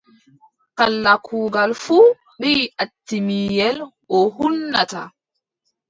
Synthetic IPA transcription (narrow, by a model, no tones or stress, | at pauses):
kalːakʰuːɡalfu | ɓiːatːimiːjɛlʔɔhunːata̰